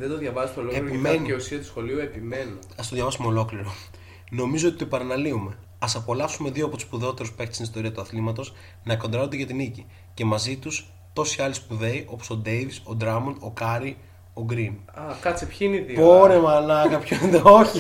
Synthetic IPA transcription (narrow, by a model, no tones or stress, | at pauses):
ðed̪oðʝɐvɐzismeoloeɾpimeenieusiɐt̪usxo̞liuepimenoɐst̪oðʝɐvɐsumeo̞lo̞kliɾo̞ | no̞mizoot̪it̪opɐɾɐnɐliume̞ | ɐsɐpo̞lɐfsume̞ðio̞ɐpot̪u̥spuðeo̞t̪e̞ɾuspueçt̪e̥st̪inist̪o̞ɾiɐt̪uɐθlimɐt̪o̞s | nɐko̞nd̪ɾɐond̪eʝɐt̪inici | ce̞mɐzit̪us | t̪o̞siɐlispuðe̞iʔo̞poso̞d̪e̞jviso̞d̪ɾɐmuno̞kɐɾi | o̞ɡɾinɐkɐt͡sipçiineiðipoɾemɐːnɐŋɡɐpçoend̪eoçi